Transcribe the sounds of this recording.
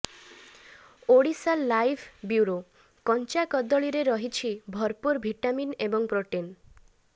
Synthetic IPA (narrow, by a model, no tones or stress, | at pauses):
oɽisalːajbʰʱbjuɾo | kɔnt͡ʃakɔd̪ɔɭiɾeɾɔɦit͡ʃʰibʱɔɾpuɾbʱiʈaminebɔŋpɾoʈen